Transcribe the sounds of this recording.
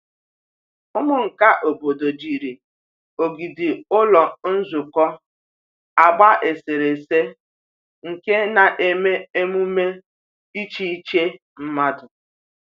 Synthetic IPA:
ʊ˦mʊ˦ŋ̩˨ka˦ʔo˨bo˨do˨d͡ʒi˨ɾi˨ | o˨ɡi˨dɪ˨ʊ˦lɔ˨n̩˦zʊ˨kɔ˦ | a˨ɡ͡ba˦ʔe˨se˨ɾe˨se˦ | ŋ̩˨ke˦na˨ʔe˦me˦e˦mu˦me˦ | i˦t͡ʃi˦i˦t͡ʃe˦ | m̩˦ma˦dʊ˨

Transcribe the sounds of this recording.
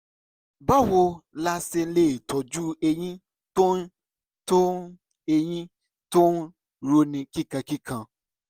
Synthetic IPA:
ba˦˨wo˧la˧se˧˦le˦˨tʰɔ˨d͡ʒu˦e˧j̃ĩ˦ | to˦n˦ | to˦ | e˧j̃ĩ˦ | to˦n˦ | ɾo˧nĩ˧ki˦kã˧ki˦kã˧

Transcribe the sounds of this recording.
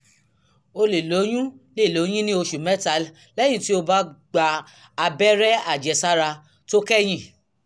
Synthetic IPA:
o˧le˨lo˨˦j̃ũ˦le˦˨lo˨˦j̃ĩ˦nĩ˦o˧ʃu˨mɛ˦ta˨˦l | lɛ˦j̃ĩ˦˨ti˦o˧ba˦ɡ͡ba˧ | a˧bɛ˦ɾɛ˦a˦˨d͡ʒɛ˨sa˦ɾa˧ | to˦kɛ˦j̃ĩ˦˨

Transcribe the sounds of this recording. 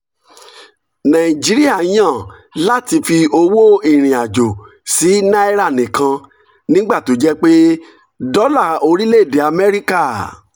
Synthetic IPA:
nã˨ĩ˨d͡ʒi˨˦ɾi˦a˦˨˦j̃ã˦˨la˦˨ti˧fi˧o˧wo˦i˦˨ɾ̃ĩ˨a˨d͡ʒo˨ | si˨˦nã˦i˦ɾa˦˨nĩ˨kã˧ | nĩ˦ɡ͡ba˦˨to˨˦d͡ʒɛ˦k͡pe˦ | dɔ˦la˦˨o˧ɾi˦le˦˨de˨a˧mɛ˦ɾi˦ka˦˨

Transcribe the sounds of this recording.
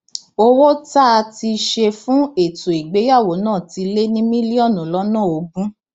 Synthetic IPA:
o˦wo˦ta˦˧ti˧ʃe˧fũ˦e˦˨tu˨i˨ɡ͡be˨˦ja˦˨wo˨˦nãː˦˨ti˧le˦nĩ˦mĩ˦li˦ɔ˦˨nũ˨lɔ˦nã˦˨o˨˧ɡũ˦

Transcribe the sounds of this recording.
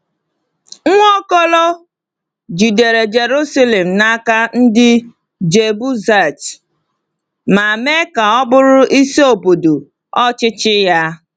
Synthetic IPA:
ŋ̩ʷ˦ɔ˦kɔ˦lɔ˦ | d͡ʒi˨de˨ɾe˨d͡ʒe˨ɾu˦sa˦le˨m̩˨na˦ka˦n̩˦dɪ˦ | d͡ʒe˨bu˦za˦˨t | ma˨me˦ka˨ɔ˦bʊ˦ɾʊ˦ʔi˦se˦o˨bo˨do˨ | ɔ˦t͡ʃɪ˦t͡ʃɪ˦ja˦

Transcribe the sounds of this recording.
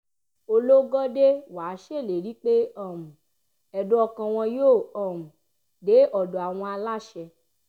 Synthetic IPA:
o˧lo˦ɡɔ˦de˦wa˨˦ʃe˦˨le˨ɾi˨˦k͡pe˦ɔ˦˨mũ˨ | ɛ˨do˦ɔ˧kã˧w̃ɔ̃˧jo˦˨ɔ˨mũ˨ | de˨˦ʔɔ˦˨dɔ˨a˨w̃ɔ̃˧a˧la˦˨ʃɛ˧

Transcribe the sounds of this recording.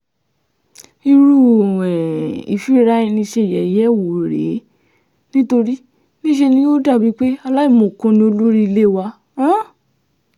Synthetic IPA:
i˧ɾu˦˨ɛ˨ḭ˨fi˦ɾa˦i˧nĩ˧ʃe˧i˨jɛ˨i˨jɛ˦˨wo˨ɾḛ˨˦ | nĩ˦to˧ɾi˦ | nĩ˦ʃe˧nĩ˦jo˦da˦˨bi˨˦k͡pe˦a˧la˦i˦˨mõ˨kũ˧˦˧nĩ˧o˧lu˦ɾi˦˧le˦˨wã˧˦

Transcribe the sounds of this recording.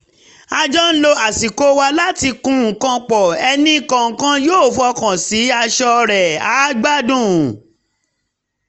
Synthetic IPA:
a˧d͡ʒɔ˦n̩˦lo˧a˨si˨ko˦wa˧la˦ti˧kũ˦ŋ̩˨kã˧k͡pɔ˨ɛ˧nĩ˦˨kã˨ŋ̩˨kã˦joː˦˨fɔ˧kã˨si˨˦a˧ʃɔ˧ɾɛ˨a˨˦ɡ͡ba˦dũ˦˨

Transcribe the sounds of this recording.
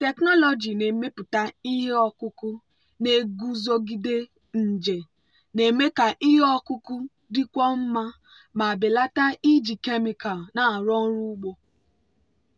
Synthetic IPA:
te˨knɔ˦lɔ˨d͡ʒi˨ne˨me˦pʊ˨ta˦i˦ɦe˦ɔ˨kʊ˦ku˦ | ne˨ɡu˦zo˦ɡi˦de˦ | n̩˨d͡ʒe˨ | ne˨me˦ka˨ʔi˦ɦe˦ɔ˦kʊ˦ku˦ | dɪ˦kʷɔ˦m̩˦ma˦ | ma˨bɪ˨la˦ta˦i˦d͡ʒi˨ke˦mi˨ka˨lna˨ɾɔ˦n̩˦ɾu˦ɡ͡bo˨

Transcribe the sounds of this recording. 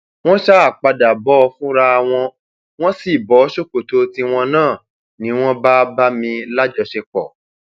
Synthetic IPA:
w̃ɔ̃˦ʃa˦a˨k͡pa˧da˨bɔ˨˦˧fũ˦ɾa˧a˧w̃ɔ̃˧ | w̃ɔ̃˦si˦˨bɔ˨˦ʃo˦˨ko˨to˧˦ti˧w̃ɔ̃˧nãː˦˨ | nĩ˨˦w̃ɔ̃˦ba˦ba˦mĩ˧la˦d͡ʒɔ˧ʃe˧k͡pɔ˨

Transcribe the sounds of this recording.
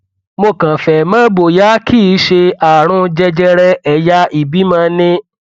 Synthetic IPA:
mo˧˨kã˨fɛ˨mã˦bo˨ja˨˦kʰi˦˨˦ʃe˧a˨ɾ̃ũ˧d͡ʒɛ˧d͡ʒɛ˧ɾɛ˧ɛ˨ja˦i˨bi˨˦mã˧˦nĩ˧˦

